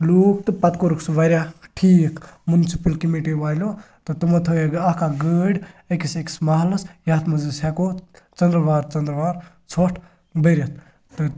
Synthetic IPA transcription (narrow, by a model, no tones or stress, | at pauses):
luːk̚t̪ɨpɐt̪koɾuksʋɐɾʲjaʈʰiːkʰmunisipɐlkimiʈiʋaːlʲo | t̪ɨt̪umɐt̪ʰoeɡakaɡəːɖekiseki̥smaɦlɐsjaːt̪ʰmɐzisɛko | t͡ʃɐnd̪ɾʋaːɾt͡ʃɐnd̪ɾʋaːɾ | t͡sʰoʈʰ | bəɾʲɐt̪̚ʰ | t̪ɨ